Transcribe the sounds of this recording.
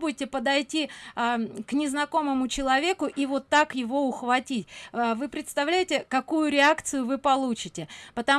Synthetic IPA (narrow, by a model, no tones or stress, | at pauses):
budʲɪtʲɪpəd̪ɐjtʲi | knʲɪznɐko̞məmʊt͡ɕɪlˠɐvʲe̞kʊʔivo̞t̪ːakjɪvo̞ʊxvɐtʲitʲːvɨpɾʲɪt̪st̪ɐvlʲæjɪtʲɪkɐkujʊɾʲɪakt̪sɨjʊvɨpɐlˠut͡ɕɪtʲɪpət̪ɐ